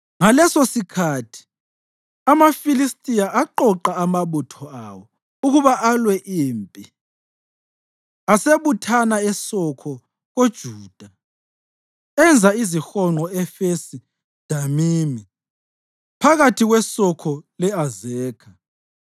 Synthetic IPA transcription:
ŋalɛsosikʰatʰi̥ | amafilistʼijaʔaǃɔǃaamaβutʰɔawɔ | uɣuβaʔalwɛʔiːmpʼi | aseβutʰanaɛsɔkʰɔ | ɣod̥ʒ̥ʱuːd̥ʱa | ɛnd͡zʱaizixɔŋ͡ǃɔɛfesi | d̥ʱamiːmi | pʰaɣatʰiɣwɛsɔkʰɔlɛazɛːkʰa

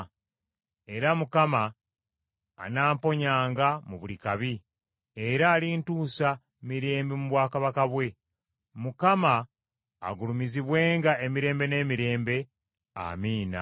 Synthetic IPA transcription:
e̞ɾamukama | naːmpo̞ɲaːŋɡamuβulikaβi | eɾaːlintuːsa | miɾe̞ːmbemuβwaːkaβakaβwe̞ | mukama̰ː | ɡulumiziβwe̞ːŋɡae̞miɾe̞ːmbe̞ne̞ːmiɾe̞ːmbe̞ | a̰miːna̰

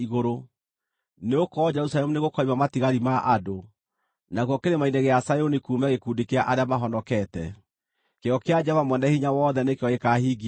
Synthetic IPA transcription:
iɣoɾo | neokɔd͡ʒɛɾusalɛmuneɣokɔimamatiɣaɾimaʔado | naɣwɔkeɾemaineɣeasajonikuːmɛɣekuːndekeaʔaɾeamaɦɔnɔkɛtɛ̰ | keɔkead͡ʒɛvamwɛndahiɲawɔːðɛnekeɔekahiːɡ

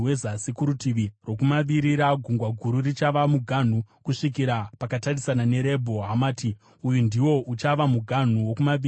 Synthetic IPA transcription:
wezasikuɾutiʋiro̞kumaʋiɾiɾaɡʱuŋɡwaɡʱuɾurit͡ʃaʋamuɡʱan̤ukuʂik̬iɾapakatarisanane̞ɾe̞bʱo̞ɦamaːti | ujundiwo̞ʔut͡ʃaʋamuɡʱan̤uwokumaʋi

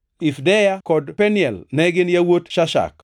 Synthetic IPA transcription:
ɪfdɛjakɔdpɛnɪjɛlnɛɡɪnjawotʃaʃa̰k̚

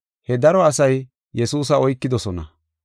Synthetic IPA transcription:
hɛd̪ɐɾɔɐsɐj | jɛsuːs̬ɐɔjkːɪd̪ɔsɔnɐ̰

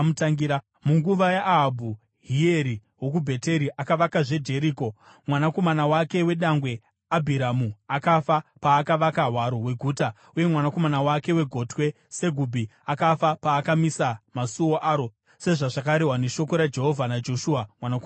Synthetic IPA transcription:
mutaŋɡiɾa | muŋɡuʋajaʔɦabʱu | ɦie̞ɾi | wok̬ubʱe̞te̞ɾiʔakaʋakaʐe̞dʱe̞ɾiːko̞ | mwanako̞manawake̞we̞ɗaŋɡwe̞ | abʱiɾamuakafapaːkaʋakaɦwaɾo̞ɦwe̞ɡʱuːta | uje̞mwanako̞manawake̞we̞ɡʱo̞twe̞ | se̞ɡʱubʱiakafapaːkamisamasuwoʔaːɾo̞ | se̞ʐaʐakaɾeɦwaneʃo̞ko̞ɾad͡ʒe̞ɦo̞vʱanad͡ʒo̞ʃuamwanako

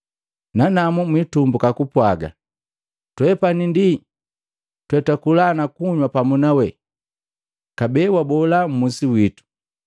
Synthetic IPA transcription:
nanamumwitumbukakupwaɡa̰ | twɛpanindi | twɛtakulanakuɲwapamunawɛ | kabɛwabɔlam̩musiwitu̥

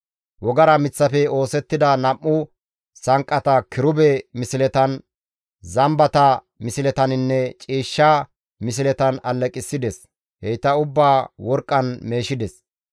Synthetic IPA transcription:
wɔɡɐɾɐmɪt͡sːɐfɛo̞ːsɛt̪ːɪd̪ɐnɐmːʊ | sɐŋkʼːɐt̪ɐkɪɾʊbɛmɪsɪlɛt̪ɐn | zɐmbɐt̪ɐ | mɪsɪlɛt̪ɐnɪnːɛt͡ʃʼiːʃːa | mɪs̬ɪlɛt̪ɐnɐlːɛkʼɪsːɪd̪ɛs | hɛjt̪ːɐʊbːaːwɔɾkʼːɐnme̞ːʃɪd̪ɛs

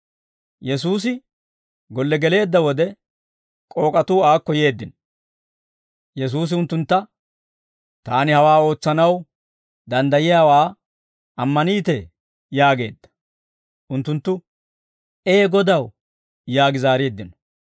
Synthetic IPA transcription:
jɛsuːs̬ɪ | ɡɔlːɛɡɛle̞ːd̪ːɐwɔd̪ɛ | kʼo̞ːkʼɐt̪uːaːkːɔje̞ːd̪ːɪnɔ | jɛs̬uːs̬ɪʊnt̪ːʊnt̪ːɐ | t̪aːnɪhɐwaːo̞ːt͡sːɐnɐw | d̪ɐnd̪ɐjɪjaːwaː | ʔɐmːɐniːt̪ɛ | jaːɡe̞̰ːd̪ːɐ̥ | ʔʊnt̪ːʊnt̪ːʊ | ʔeːɡɔd̪ɐw | jaːɡɪzaːɾeːd̪ːɪnɔ̥

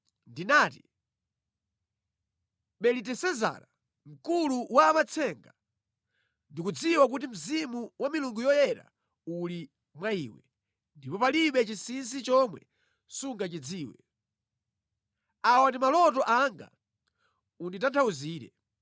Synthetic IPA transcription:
ndinaːti | ɓɛlitɛsɛza̰ɾa | m̩kuluwaːmat͡sʰɛŋɡa | ndikud͡ziwak̬utim̩zimuwamiluŋɡujɔjɛɾa̰ | uli | mwaiːwɛ | ndipɔpaliɓɛt͡ʃisins̬it͡ʃɔmwɛ̰ | suŋɡat͡ʃid͡ziːwɛ | awandimalɔtɔʔaŋɡa̰ | unditantʰauziːɾɛ̰

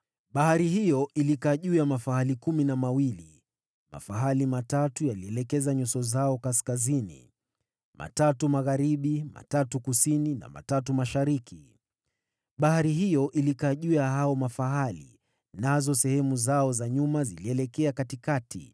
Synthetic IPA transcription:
ɓahaɾihijɔʔilikaʄuamafaɦalikuminamawili | ma̰faɦalimatatujaliɛlɛkɛzaɲusɔzaɔkaskazinḭ | mʔa̰tatumaɣaɾiɓima̰tatukusinina̰ma̰tatumaʃaɾikʰi | ɓahaɾiɦijɔʔilikaʄuahaɔmafaɦalḭ | nazɔsɛhɛmuzaɔzaɲumaziliɛlɛkɛakatikatḭ

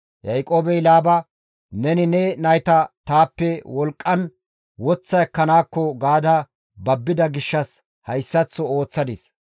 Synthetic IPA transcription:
jɐjkʼoːbɛjlaːbɐ | nɛnɪnɛnɐjt̪ɐt̪aːpːɛwɔlkʼːɐn | wɔt͡sːɐjɐkːɐnaːkːɔɡaːd̪ɐ | bɐbːɪd̪ɐɡɪʃːɐs | hɐjsːɐt͡sːɔo̞ːt͡sːɐd̪ɪs

